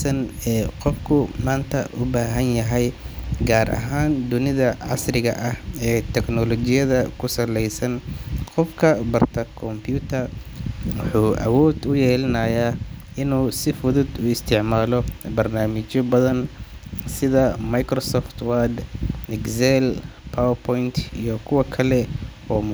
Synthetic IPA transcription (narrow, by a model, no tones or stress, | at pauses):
sɐnɛːqɔfkʰʊmaːnt̪ʰɐ̰ʔʊbaːɦɐnjɐɦɛjɡaːɾʔɐ̰ɦaːnd̪ʊnɪðɐʕɑ̰srɪɣɐ̰ʔɐhɛːt̪ʰɛɡnɔlɔt͡ʃɪjɐðɐkʰʊsɐlɛjsɐnqɔfkʰɐbɐrt̪ʰɐkʰɔmpʰjut̪ʰɐrwʊħuːʔɐ̰wɔːd̪ʊjɛːlɐnɐja | ɪnuːsɪfʊðʊd̪ʊɪst̪ʰɪʕmaːlɔbɐrnaːmɪt͡ʃɔbɐðɐnsɪðɐmɐjkrɔsɔːft̪ʰwad̪nɪɡsɛlpʰawɐpʰɔjnt̪ʰḭjɔkʰʊwɐkʰɐlɛ | ɔːm